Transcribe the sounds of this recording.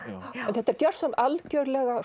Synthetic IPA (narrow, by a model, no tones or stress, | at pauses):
ɛnθɛt̪ːɛɾ̥cœr̥sɔnalcœɥɾlɛɣa